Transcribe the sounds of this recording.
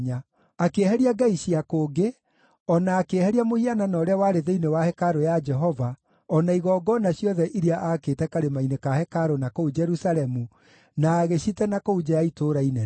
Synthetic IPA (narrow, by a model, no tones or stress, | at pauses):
ɲa | akehɛɾiaɡaiɕiakoːɡe | ɔnaːkehɛɾiamohiananɔːɾeawaɾeðeinewahɛkaɾojad͡ʒɛɦɔva | ɔnaiɣɔːɡɔnaɕjɔðɛʔiɾiaʔaketɛkaɾemainekahɛkaɾonakoud͡ʒɛɾusalɛmu | naːɣeɕitɛnakoud͡ʒajaitoɾainɛ